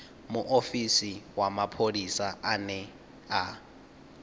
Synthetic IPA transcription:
mʊʔofisiwamapʰodisaanɛ | a

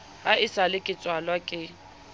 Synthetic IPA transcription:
haɪsalɪkʼɪt͡sʼwalwakʼɪ

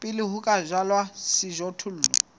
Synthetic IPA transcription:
pʼɪliɦukʼaʒalwasiʒɔtʰul̩ːlɔ

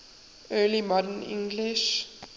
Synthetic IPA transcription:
ɜːlimɔdənɪ̰̃ŋɡlɪʃ

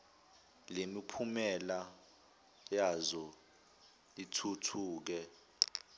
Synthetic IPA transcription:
lemipʰumɛla | jazɔ | itʰutʰuːk̬ɛ

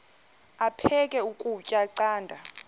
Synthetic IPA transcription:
apʰɛkʼɛukʼucʼaǀaːndʱa

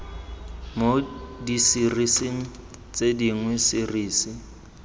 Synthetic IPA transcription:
modisirisiŋ̩ | t͡sʼediŋwɛsiriːsi

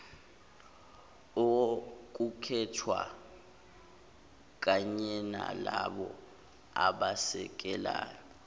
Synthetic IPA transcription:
ok̬ukʰɛtʰwa | k̬ʼaɲɛnalaɓɔ | aɓasɛk̬ʼɛlaːjɔ

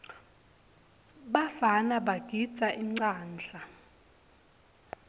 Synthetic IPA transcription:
ɓafanaɓaɡ̥ʱid̥t͡saʔiŋ͡ǀaːnd͡ɮʱa

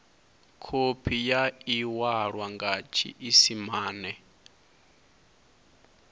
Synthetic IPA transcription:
kʰopʰijaiwaɺwaŋɡat͡ʃʰḭʔisimaːnɛ

